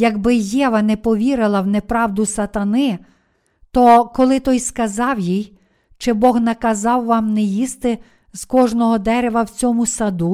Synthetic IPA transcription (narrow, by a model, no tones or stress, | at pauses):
jɐɡbɪjɛʋɐnɛpɔʋʲiɾɪlˠɐwnɛpɾɑwd̪ʊsɐt̪ɐnɪ | t̪ɔkɔlˠɪt̪ɔjskɐzɑwjij | t͡ʃɪbɔxnɐkɐzɑwʋɑmnɛjist̪ɪ | z̥kɔʒnɔɦɔd̪ɛɾɛʋɐwt͡sʲɔmʊsɐd̪u